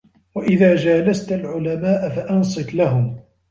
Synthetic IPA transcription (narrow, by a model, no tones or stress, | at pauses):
waʔɪðaːd͡ʒaːlast̪alʕʊlamaːʔafaʔɑnsˤɨklaɦʊm